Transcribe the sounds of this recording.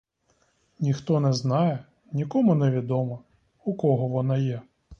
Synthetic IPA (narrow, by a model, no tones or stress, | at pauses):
nʲixt̪ɔnɛznɑjɛ | nʲikɔmʊnɛʋʲid̪ɔmɐ | ukɔɦɔʋɔnɑjɛ